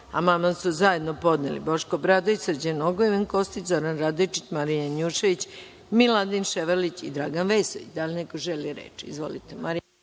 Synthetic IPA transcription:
a̰mamasuzaje̞d̪nopo̞d̪nelḭbo̞ʃkobɾad̪oisɾd͡ʑenoɡojeʋenko̞st̪izo̞ɾanɾad̪ojt͡ʃit͡ɕmaɾijanuʃeʋit͡ɕ | milad̪inʃeʋalit͡ɕid̪ɾaɡanʋejsoʋḭt͡ɕd̪alinekoʒeliɾḛːt͡ʃḭzʋo̰lit̪emaɾi

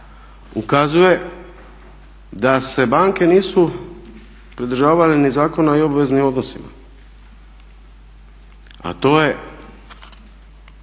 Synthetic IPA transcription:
ukazuje̞ | d̪ase̞baːŋke̞niːsu | pɾid̪r̩ʒaːʋalenizaːko̞naio̞baʋe̞znimo̞d̪no̞sima̰ | a̰t̪o̞ːje̞

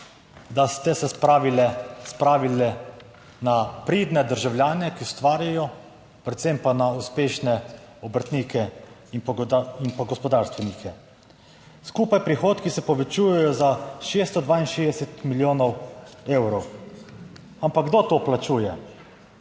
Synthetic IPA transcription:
d̪ast̪ɛsɛspɾaːʋilɛspɾaːʋilɛ | napɾiːd̪nɛd̪əɾʒawljaːnɛkiʊst̪ʋaːɾjajɔ | pɾɛt̪sempanauspeːʃnɛ | ɔbɾt̪nikɛ | iinpaɡɔspɔd̪aɾst̪ʋɛnikʰɛ | skuːpajpɾixoːt̪kisɛpɔʋɛt͡ʃuːjɛjɔzaʃeːst̪ɔd̪ʋaːinʃeːd̪ɛsɛt̪miljoːnɔweːwɾɔw | ampaɡd̪ot̪oːplat͡ʃuːjɛ

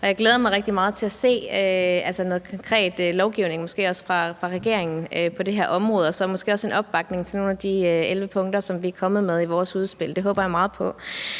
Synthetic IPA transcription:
ʔɒ̽jɑ̈ɪɡ̥leːð̞ˠɐmɑ̈ɪʁɛɡ̥d̥imɑ̈ːð̞̩ˠt͡sʰe̝æse̝̰ːøælsənoːð̩ˠkʰɒ̽ŋkʰʁɛ̰ːd̥lɒʊɡ̥iʊne̝ŋmɒ̽sɡ̥e̝̰ːɒ̽sfʁɑ̈fʁɑ̈ʁɛɡ̥e̝ɐ̰e̝ŋn̩øpʰɒ̽de̝ɦæɐ̰ʔɒ̽mʁɔ̽ːð̞̩ˠɒ̽sɒmɒsɡ̥e̝̰ːɒse̝nɒ̽b̥ːɑ̈ɡ̥ne̝ŋt͡sʰe̝no̝ːnæd̥iøelʋəpʰɔ̽ŋd̥ɐsɒ̽mʋiækʰɒ̽mð̞̩ˠmeð̞ˠiʋɒːsuð̞ˠsb̥e̝l̰d̥e̝ɦɔːb̥ɐjɑ̈mɑ̈ːð̞̩ˠpʰɒ̽

